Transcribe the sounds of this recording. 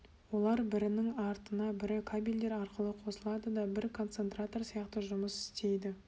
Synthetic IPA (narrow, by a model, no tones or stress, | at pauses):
wo̞lˠɑɾbɪɾɪnɪŋɑɾt̪ənɑbɪɾɪkʰabʲilʲd̪e̞ɾɑɾqəlˠəqʰo̞səlˠɑd̪əd̪ɑbɪɾkʰo̞nt̪se̞nt̪rat̪o̞rsijɑqt̪əʒʊməsɪ̥st̪e̞jd̪ɪ